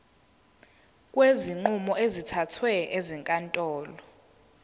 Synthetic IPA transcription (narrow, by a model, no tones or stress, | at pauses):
kʼweziŋ͡ǃumɔʔezitʰatʰwɛʔeziŋkʼantʼɔːlɔ